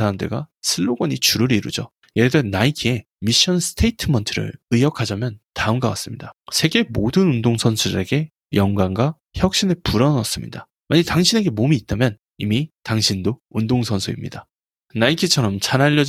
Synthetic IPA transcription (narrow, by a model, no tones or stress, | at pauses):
aɾamdḛɡasʰɯɭːoɡʌɲit͡ɕuɾɯɾiɾṵd͡ʑo | jeɾdʌnaikʰie̞ | miɕ͈ʌnsʰɯ̥tʰe̞itʰɯmʌntʰɯɾɯ̰ɭɯjʌkʰad͡ʑamjʌntaɯmɡawa̰s͈ɯmɲidasʰe̞ɡe̞modɯnundoŋsʰʌnsʰudɾe̞ɡe̞ | jʌŋɡwaŋɡwa | çjʌk̚ɕ͈inɯpuɾʌnʌs͈ɯmɲḭda | maɲitaŋɕʰine̞ɡe̞momiːt̚t͈amjʌn | imitaŋɕʰindoundoŋsʰʌnsʰuḭmɲida | naikʰit͡ɕʰʌɾʌmt͡ɕanaʎːʌd͡ʑ